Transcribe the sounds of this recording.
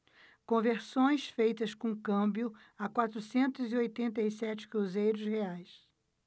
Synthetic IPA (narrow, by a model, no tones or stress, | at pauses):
kõveɾsõj̃sfejt̪ɐskõkɐ̃mbjʊ | akwat̪ɾusẽnt̪ʊziojt̪ẽnt̪ɐisɛt͡ʃɪ̥kɾuzejɾʊsheajs